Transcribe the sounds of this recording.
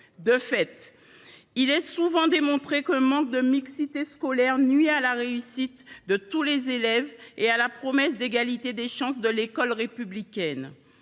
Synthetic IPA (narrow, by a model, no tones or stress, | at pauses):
d̪əfɛt̪ | ilɛsuvɑ̃d̪emɔ̃t̪χekɛ̃mɑ̃k̚d̪əmiksit̪eskɔlɛʁnɥialaʁeysit̪d̪ət̪ulezelɛvealapχɔmɛs̬d̪eɡalit̪ed̪eʃɑ̃sd̪əlekɔlʁepyblikʲɛn